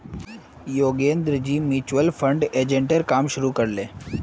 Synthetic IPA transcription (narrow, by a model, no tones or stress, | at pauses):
joːɡẽːnd̪ɾd͡ʑiːmiːt͡ʃʋəlpʰə̃ɳɖeːd͡ʒẽɳʈəɾkaːmʃʊɾukəɾleː